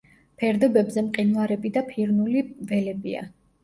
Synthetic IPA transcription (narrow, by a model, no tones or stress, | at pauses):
pʰɛɾd̪ɔbɛbzɛmqʼinuaɾɛbid̪apʰiɾnulivɛlɛbia̰